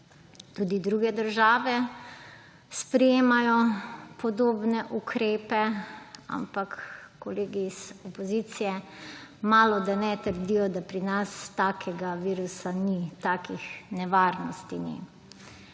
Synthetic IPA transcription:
t̪uːd̪id̪ɾuɡɛd̪əɾʒaːʋɛ | spɾɛjeːmajɔpʰɔd̪oːbnɛʔukʰɾeːpɛa̰mpakː | ɔleːɡiz̥ɔpɔzit̪sijɛmaːlɔd̪anɛt̪əɾd̪ijɔd̪apɾinast̪aːkʰɛɡaʋiːɾusanit̪aːkixnɛʋaːɾnɔst̪inḭ

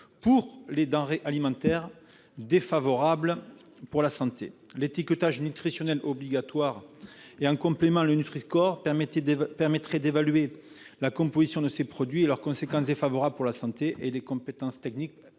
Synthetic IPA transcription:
puʁled̪ɑ̃ʁeʔalimɑ̃t̪ɛʁ | d̪efavɔʁablə | puʁlasɑ̃t̪ḛlet̪ikət̪aʒnyt̪χisjɔnɛlɔbliɡat̪waʁeɑ̃kɔ̃plemɑ̃lənyt̪χiskɔʁ | pɛʁmɛt̪χɛd̪evalɥe | lakɔ̃pozisjɔ̃d̪əsepχɔd̪ɥielœʁkɔ̃sekɑ̃sd̪efavɔʁabləpuʁlasɑ̃t̪eʔelekɔ̃pet̪ɑ̃st̪ɛknik̚

